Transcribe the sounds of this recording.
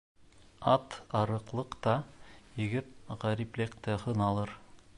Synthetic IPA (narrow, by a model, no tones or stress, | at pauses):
ɑt̪ɑɾɤ̆qlˠɤqt̪ɑjɘ̆ɡɘt̪̚ʁæɾiplʲɘk̚t̪ɘhɤnɑlˠɤɾ